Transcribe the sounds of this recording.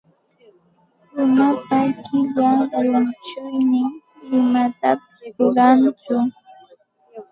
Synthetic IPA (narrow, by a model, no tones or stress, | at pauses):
ɾʊnapakɪʎajʊnt͡ʃʊjnɪŋ | ɪmat̪apɪsɾʊɾant͡sʊ